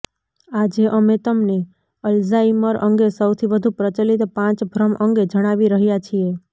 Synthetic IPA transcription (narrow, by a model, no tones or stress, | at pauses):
ad͡ʒeʔəmet̪əmne | əlzaiməɾʔə̰ŋɡesəwt̪ʰiʋəd̪ʱupɾət͡ʃəlit̪pãt͡ʃbʱɾəmʔəŋɡed͡ʒəɽ̃aʋiɾəɦjat͡ʃʰie